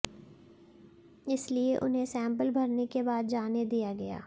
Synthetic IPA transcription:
ɪslieʔʊ̰nɦẽsɛ̃ːmpəlbʱɐɾnekebaːd̪̚d͡ʒaːned̪ijaɡɐja̰ː

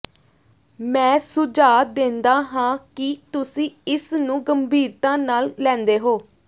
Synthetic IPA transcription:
mɛ̃ːsʊd͡ʒaːd̪ẽnd̪aːɦãːkɪt̪ʊsĩːɪsnũːɡəmbʱiːɾt̪ãːnaːlːɛ̃ːnd̪eːɦoː

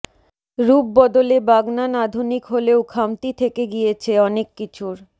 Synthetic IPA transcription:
ɾubːɔd̪olebaɡnanad̪ʱunikɦoleokʰamt̪it̪ʰekeɡijet͡ɕʰeɔnekːit͡ɕʰuɾ

